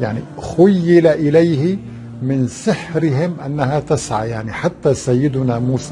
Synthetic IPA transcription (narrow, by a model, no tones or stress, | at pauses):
jaʕnixʊjːɪlaʔɪlajhɪ | mɪnsɪħɾɪɦɪmʔanːahat̪asʕa̰jaʕniħat̪ːasajːɪd̪ʊnamuːsa